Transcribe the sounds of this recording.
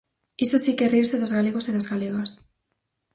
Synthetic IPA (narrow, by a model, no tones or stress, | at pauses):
isosikeriɾseðozɣaleɣ̞osiðazɣaleɣas